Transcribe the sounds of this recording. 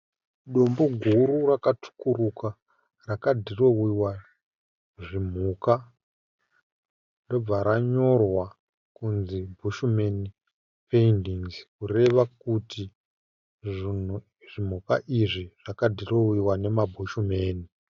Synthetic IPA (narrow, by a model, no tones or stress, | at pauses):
ɗomboɡʱuɾurakatʰu̥kuruka | rakadʱiro̞wiwa | ʐim̤uːka | ndo̞b͡vaɾaɲo̞rwa | kunzibʱuʃumeni | peindiŋzkure̞ʋakuti | ʐin̤u | ʐim̤ukaʔiʐiʐ̥akadʱiro̞wiwane̞mabʱuʃume̞ːni